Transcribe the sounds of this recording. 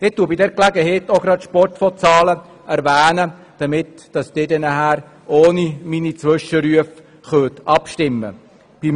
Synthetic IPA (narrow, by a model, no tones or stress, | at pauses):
d̥ɪtːuːəbidɛɾklæɡəhɛːtoɡɾɑtʃpɔrtfɔt͡sɑːlə | æɾvæːnə | d̥ɑmɪt | d̥ɑsd̥eːdɛnəhæːɾ | oːniminit͡sʋɵʃəɾyəf | χøːt̪ɑpʃtɪmːə̰ | b̥im